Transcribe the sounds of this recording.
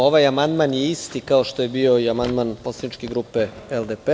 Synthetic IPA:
oʋajamand̪manjeist̪ikaoʃt̪o̞je̞bio̞iamand̪manpo̞slˠanit͡ʃkeɡɾuːpe̞eld̪epe

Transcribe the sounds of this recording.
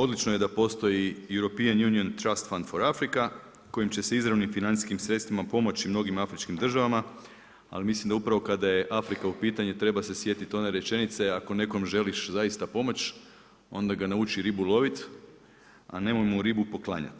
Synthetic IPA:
o̞d̪lit͡ʃnoje̞d̪apo̞st̪o̞jijuɾo̞pianjunio̞nt̪ɾast̪fand̪fo̞ɾafɾika | ko̞jimt͡ɕe̞seizɾaʋnimfinant̪i̥skimsɾe̞t̪st̪ʋimapo̞mo̞t͡ɕimno̞ɡimafɾit͡ʃkimd̪r̩ʒaʋama | a̰limislˠimd̪aupɾaʋo̞kad̪aje̞ʔafɾikaupiːt̪aɲet̪ɾe̞base̞sje̞t̪it̪o̞ne̞ɾe̞t͡ʃe̞nit̪se̞ako̞ne̞ko̞mʒe̞liʃzajist̪apo̞mo̞t͡ɕ | o̞nd̪aɡanaut͡ʃiɾibulˠo̞ʋit̪ | a̰ne̞mojmoɾibupo̞klˠa̰ɲa̰t̪

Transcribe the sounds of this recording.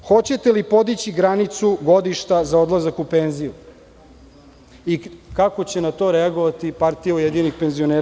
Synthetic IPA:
xo̞t͡ɕe̞t̪elipo̞d̪it͡ɕiɡɾanit̪suɡo̞d̪iʃt̪azao̞d̪lˠazakupenziu | ikako̞t͡ɕenat̪o̞ɾeaɡo̞ʋat̪ipaɾt̪ijaujed̪iɲnixpe̞nzio̞neːɾa

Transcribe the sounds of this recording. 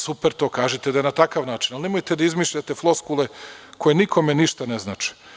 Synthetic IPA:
supeɾt̪o̞ːkaːʒɛt̪ed̪ajenat̪akaʋnaːt͡ʃinalnemojt̪ed̪aizmiːʃʎat̪e̞flˠoskulekʰo̞jenikʰo̞meniʃt̪aneznaːt͡ʃɛ̥

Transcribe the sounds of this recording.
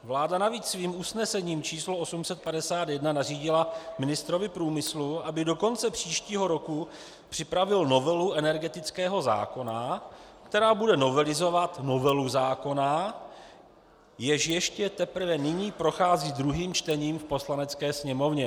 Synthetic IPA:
vlaːdanaviːt͡ssviːmusnɛsɛɲiːmt͡ʃiːsloo̞sumsɛt̪̚padɛsaːt̪jɛdnanariːɟɪlamɪnɪst̪ɾo̞vɪpɾuːmɪsluabɪdo̞ko̞nt͡sɛpr̝̥iːʃciːɦo̞ɾo̞ku | pr̝̥ɪpɾavɪlno̞vɛluʔɛnɛɾɡɛt̪ɪt͡skɛːɦo̞za̰ːko̞nakt̪ɛɾaːbudɛno̞vɛlɪzo̞vat̪no̞vɛluzaːko̞na | jɛʃjɛʃcɛt̪ɛpr̩vɛnɪɲiːpɾo̞xaːziːd̪ɾuɦiːmt͡ʃt̪ɛɲiːmfpo̞slanɛt͡skɛːsɲɛmo̞vɲɛ

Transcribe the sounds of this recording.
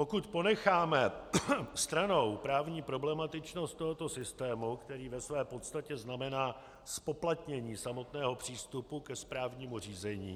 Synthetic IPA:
po̞kut̪po̞nɛxaːmɛ | st̪ɾano̞wpɾaːvɲiːpɾo̞blɛmat̪ɪt͡ʃno̞st̪ːo̞ɦo̞t̪o̞sɪst̪ɛːmukt̪ɛɾiːvɛsvɛːpo̞t̪st̪acɛznamɛnaː | spo̞plat̪ɲɛɲiːsamo̞t̪nɛːɦo̞pr̝̥iːst̪upukɛspɾaːvɲiːmur̝iːzɛɲḭː

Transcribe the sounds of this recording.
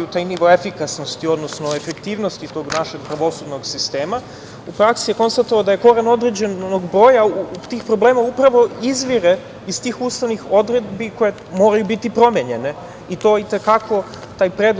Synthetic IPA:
ut̪aːjniʋo̞efikasno̞st̪io̞d̪no̞snoe̞fekt̪iːʋnost̪it̪o̞ɡnaʃe̞ɡpɾaʋo̞sud̪no̞ɡsist̪e̞ːma | upɾaksijeko̞nst̪at̪oad̪aje̞ko̞ɾano̞d̪ɾe̞d͡ʑenoɡbɾo̞ːjaut̪iːxpɾo̞bleːmaupɾaʋo̞izʋiɾe | izt̪iːxuːst̪aʋnixo̞d̪ɾe̞d̪biko̞je̞ | mo̞ɾajubit̪ipɾo̞mjeɲe̞ne̞ | it̪o̞ːit̪e̞kakʰo̞ | t̪aːjpɾeːd̪l

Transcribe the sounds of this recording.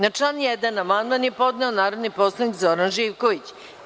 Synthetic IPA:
nat͡ʂlanjɛd̪anamand̪manjepo̞d̪nɛonaːɾod̪nipo̞slˠaʋnikzo̞ɾanʒiʋkoʋit͡ɕ

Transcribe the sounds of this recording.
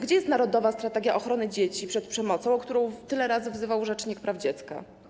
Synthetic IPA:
ɡd͡ʑɛjɛst̪naɾɔd̪ɔvast̪ɾat̪ɛɡʲjaʔɔxɾɔnɘd͡ʑet͡ɕipʂɛt̪pʂɛmɔt̪sɔ̃w̃kt̪uɾɔ̃w̃t̪ɘlɛɾazɘvzɘvawʐɛt͡ʂɲik̚pɾʔavd͡ʑɛt̪ska̰

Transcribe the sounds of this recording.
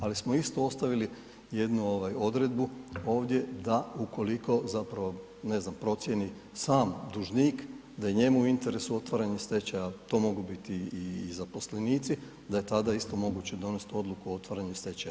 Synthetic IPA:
alismoist̪o̞o̞st̪aʋili | je̞d̪nuo̞ʋajo̞d̪ɾe̞d̪buo̞ːʋd̪je̞d̪aukʰo̞likʰo̞zapɾaʋo̞ | ne̞znampɾo̞t̪sje̞ni | saːmd̪uʒniːk | d̪ajeɲe̞muuint̪e̞ɾesuo̞t̪ʋaːɾaɲest̪e̞t͡ɕajat̪o̞mo̞ɡubit̪iːzapo̞sle̞niːt̪si | d̪aje̞t̪ad̪aist̪o̞mo̞ɡut͡ɕe̞d̪o̞ne̞st̪o̞d̪lˠukuo̞t̪ʋaɾaɲust̪e̞t͡ɕaja

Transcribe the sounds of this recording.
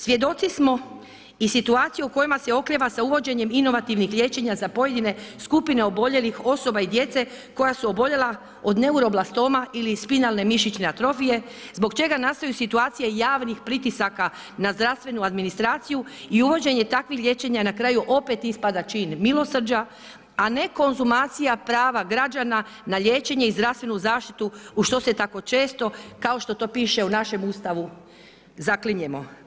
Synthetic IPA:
sʋje̞d̪o̞t̪sismo̞ | isit̪uaːt̪sijuuko̞jimase̞o̞kliʋasauʋo̞d͡ʑe̞ɲe̞mino̞ʋat̪iʋnixʎʲe̞t͡ɕe̞ɲazapo̞je̞d̪ine̞skupine̞o̞bo̞ʎe̞lixo̞so̞baid̪je̞t̪se̞ | ko̞jasuo̞bo̞ʎe̞la | o̞d̪ne̞uɾo̞blast̪o̞ːmailispinalˠne̞miʃit͡ʃneat̪ɾo̞fije̞ | zbo̞ɡt͡ʃe̞ɡanast̪ajusit̪uaːt̪sijejaːʋnixpɾit̪isaka | nazd̪ɾast̪ʋe̞nuad̪minist̪ɾaːt̪sijuiuʋo̞d͡ʑe̞ɲe̞t̪akʋixʎʲje̞t͡ʃe̞ɲanakɾajuʔo̞pe̞t̪ispad̪at͡ʃiːnmilo̞sr̩d͡ʒa | ane̞ko̞nzumaːt̪sijapɾaːʋaɡɾad͡ʒana | naʎʲje̞ːt͡ʃe̞ɲe̞izd̪ɾafst̪ʋe̞nuzaːʃt̪it̪uuʃt̪o̞se̞t̪ako̞t͡ʃe̞ːst̪o̞kao̞ʃt̪o̞t̪o̞ːpiːʃe̞unaʃe̞must̪aʋu | zakliɲemo̞

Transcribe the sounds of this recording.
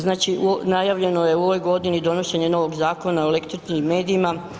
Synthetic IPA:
znaːt͡ʃiunajaʋʎe̞no̞je̞uo̞ʋo̞jɡo̞d̪inid̪o̞noʃeɲeno̞ʋo̞ɡzaːko̞naoelekt̪ɾit͡ʃnimːe̞ːd̪iima

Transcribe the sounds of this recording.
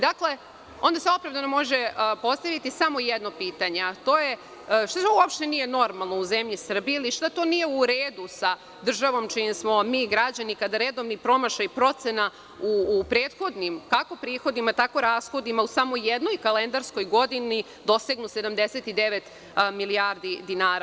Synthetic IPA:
d̪akle̞ | ond̪aseo̞pɾavd̪anomo̞ʒepo̞st̪aʋit̪isamo̞jɛd̪nopiːt̪aɲeat̪o̞ːje | ʃt̪atouopʃt̪e̞nije̞no̞ɾmalˠnouzemʎisr̩biiliʃt̪at̪o̞nijeuɾeːd̪usa | d̪r̩ʒaʋo̞mt͡ʃijimsmo̞miːɡɾad͡ʑanikad̪aɾeːd̪omnipɾo̞maʃaipɾo̞t̪sena | upɾeːd̪xo̞d̪nimkako̞pɾiːxo̞d̪imat̪ako̞ɾaːsxo̞d̪imausamo̞jjed̪no̞jkalend̪aɾsko̞jɡo̞d̪ini | d̪o̞seɡnuse̞d̪amd̪e̞set̪id̪eʋet̪ | miliaɾd̪id̪inaːɾa

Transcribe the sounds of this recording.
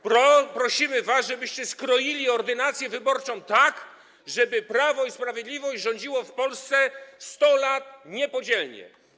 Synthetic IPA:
pɾɔpɾɔɕimɘvasʐɛbɘɕt͡ɕɛskɾɔjilʲiɔɾd̪ɘnat̪sʲjɛvɘbɔɾt͡ʂɔ̃w̃t̪ak | ʐɛbɘpɾavɔispɾavʲjed̪lʲivɔɕd͡ʑʐɔ̃ɲ̃d͡ʑiwɔfpɔlst̪sɛst̪ɔlat̪̚ɲɛpɔd͡ʑɛlɲɛ̰

